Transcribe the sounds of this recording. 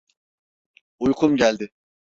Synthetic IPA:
ujkʰumɟælʲd̪ɪ

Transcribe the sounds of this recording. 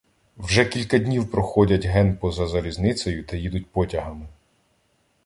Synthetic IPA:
wʒɛkʲilʲkɐdʲnʲiwpɾɔxɔdʲɐtʲɦɛnpɔzɐzɐlʲiznɪt͡s̪ɔjʊt̪ɐjid̪ʊt̚ʲpɔtʲɐɦɐmɪ

